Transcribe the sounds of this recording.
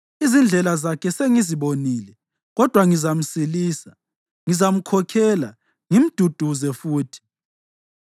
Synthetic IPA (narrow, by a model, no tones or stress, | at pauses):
izind͡ɮʱɛlazakʰɛseŋiziβoniːlɛ | ɣɔd̥ʱwaŋizam̩siliːsa | ŋizam̩kʰɔkʰɛla̰ | ŋim̩d̥ʱud̥ʱuzɛfuːtʰi̥